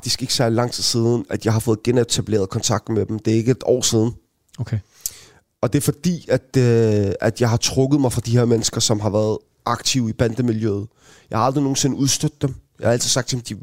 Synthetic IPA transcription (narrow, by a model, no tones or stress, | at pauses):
fɑɡ̥d̥isɡ̥e̝ɡ̥sæɐlilɑ̈ŋ̰t͡sʰi̥ð̩̰ˠsiːðˠn̩æd̥jɑ̈ɪɦɑ̈fɔ̽ːð̩ˠɡ̥enet͡sʰæb̥le̝̰ːɐðˠkʰɒ̽nt͡sʰɑ̈ɡ̥̚d̥med̥emd̥e̝æɐe̝ɡ̥əed̥ɒ̰ːsiːð̞ˠn̩ | okʰe | ɒ̽d̥e̝ɐfɒd̥ḭːæd̥ | æd̥jɑ̈ɪɦɑ̈t͡sʰʁɔɡ̥ðˠmɑ̈ɪfʁɑ̈d̥iheɐ̰menəsɡ̥ɐsɒ̽mɦɑ̈ʋæːɐð̞ˠ | ɑ̈ɡ̥t͡sʰiʊib̥ænd̥əmiljøːð̩ˠ | jɑ̈ɪhɑ̈ld̥ʁino̝ːn̩se̝nəuð̞ˠsd̥ød̥̚ːemjɑɪhɑ̈æl̰t͡sʰið̩ˠsɑɡ̥̚t͡sʰemd̥i